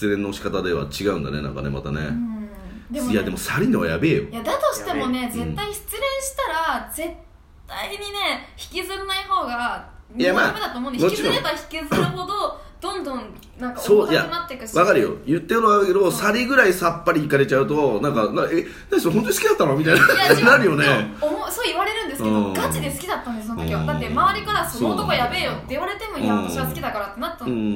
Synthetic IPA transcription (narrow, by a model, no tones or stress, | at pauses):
ɕi̥t͡sɨɾẽ̞nːoɕi̥kat̪ad̪e̞βa̰t͡ɕiɡaɯ̟̃nd̪a̰ne̞̰nã̰ŋka̰ne̞ma̰t̪a̰nḛ | d̪jad̪e̞mo̞saɾʲinoβa̰jabe̞ːjo̰jad̪at̪o̞ɕi̥t̪e̞mone̞zẽt̪ːaiɕi̥t͡sɨɾẽ̞ɰ̃ɕi̥t̪aɾad͡ze̞t̪ː | aiɲ̟ine̞çi̥kʲizɨɾɯnaiho̞ːɡa | mjjamaːmed̪at̪oːmõnd̪emot͡ɕiɾõaçi̥kʲizɨɯɦo̞d̪o | d̪̥õ̞nd̪õn | nãŋkasoːjamat̪ːekɯ̟βakaɾɯ̟jo̞̰jɯ̟t̪ːeɯβaɾɯked̪o̞saɾʲiɡɯ̟ɾaisapːaɾʲiːkaɾe̞t͡ɕaɯ̟t̪o̞nãŋkanaʔe | nasoɦont̪oɲisɨ̥kʲid̪at̪ːanomʲit̪ainanaɾɯ̟jo̞neomosoːiβaɾe̞ɾɯ̟̃nd̪esɨkẽdõɡat͡ɕid̪e̞sɨ̥kʲid̪at̪ːãnd̪esonot̪okʲiβad̪at̪ːemaβaɾʲikaɾasonookojabe̞jot̪ːeoɾe̞t̪e̞moĩãoiasɨ̥kʲid̪akaɾat̪ːenat̪ːã